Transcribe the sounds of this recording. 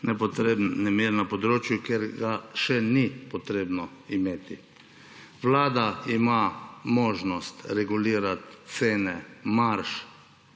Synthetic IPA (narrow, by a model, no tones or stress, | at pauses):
nɛpɔt̪ɾebnɛmiɾnapɔd̪ɾoːt͡ʃjukeɾɡaʃɛnipɔt̪ɾeːbnɔimeːt̪i | ʋlaːd̪aimamoːʒnɔst̪ɾɛɡuliːɾat̪seːnɛmaɾʃ